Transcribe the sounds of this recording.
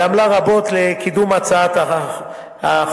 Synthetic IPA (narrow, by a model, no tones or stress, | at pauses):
amlaʁabo̞t̪lekʰid̪umat͡saat̪ | ha